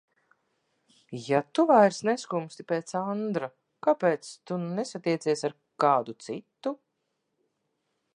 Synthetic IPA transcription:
jat̪uvajɾsneskumst̪ʲipeːt̪sand̪ɾa | kapeːt̪st̪unesat̪iɛt̪siɛsaɾ | kaːd̪ut̪sit̪ːu

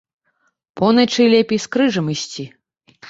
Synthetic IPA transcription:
pɔnɐt͡ʂɨjlʲɛpʲejskɾɨʐɐmɨsʲt͡sʲi

